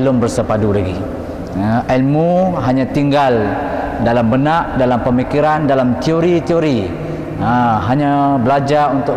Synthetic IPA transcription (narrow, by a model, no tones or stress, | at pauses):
lʊmbərsəpadulaɡḭ | almuɦaɲãt̪iŋɡaldalambənaʔdalampəmikiɾandalamt̪ioɾit̪ioɾi | əɦaɲãbəlad͡ʒarunt̪ʊ